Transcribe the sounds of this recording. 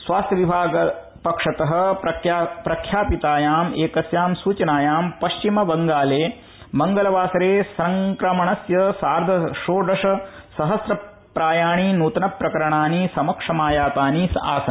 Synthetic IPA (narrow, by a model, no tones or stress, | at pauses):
sʋaːst̪ʰjɐʋibʱaːɡɐ | pɐkʂɐt̪ɐɦɐ̆ɐpɾɐkʰjaːpit̪aːjaːmeːkɐsjaːmsuːt͡ʃɐnaːjaːmpɐʃt͡ʃimɐbɐŋɡaːleː | mɐŋɡɐlɐʋaːsɐɾeːsɐŋkɾɐmɐɳɐsjɐsaːɾd̪ʱɐʃoːɖɐʂɐsɐɦɐsɾɐ | pɾaːjaːɳinuːt̪ɐnɐpɾɐkɐɾɐɳaːnisɐmɐkʂɐmaːjaːt̪aːnisa̰ːsɐn